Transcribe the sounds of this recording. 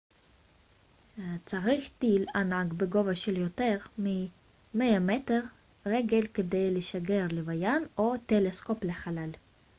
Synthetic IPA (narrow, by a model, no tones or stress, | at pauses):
t͡saʁiχt̪ilanaɡbeɡo̞vaʃeljote̞ʁmi | meameteʁ | ʁeɡelked̪ejleʃaɡe̞ʁlevajano̞t̪elesko̞pleχalal